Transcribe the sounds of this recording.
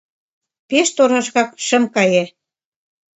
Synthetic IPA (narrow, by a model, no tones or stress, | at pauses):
peʃt̪oɾɑʃɣɑkʃə̆mkɑje